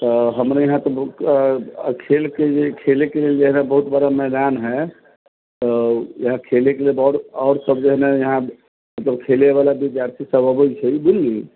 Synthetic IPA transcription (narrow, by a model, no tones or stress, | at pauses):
t̪ɔɦəmɾajəɦãt̪ɔ | kʰelked͡ʒekʰelekeleld͡ʒeɦnabəɦut̪bəɾamɛɦd̪anɦɛ | t̪ɔjəɦãkʰelekelelbɾɔʊɾsəbd͡ʒɛɦnajəɦã | mət̪ləb̚kʰeleʋalabid͡ʒ̪jaɾt̪ʰisəbəbəjt͡ʃʰɛibunli